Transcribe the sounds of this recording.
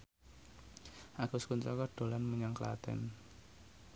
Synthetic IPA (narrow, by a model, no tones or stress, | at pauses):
ʔaɡ̥ʊskunt̪ɾɔkɔɖ̥o̤lanməɲaŋkəla̰t̪ɛ̰n